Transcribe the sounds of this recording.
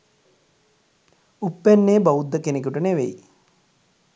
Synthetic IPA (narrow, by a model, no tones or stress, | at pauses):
upːænːeːbaud̪ːəkenek̬uʈəneʋḛj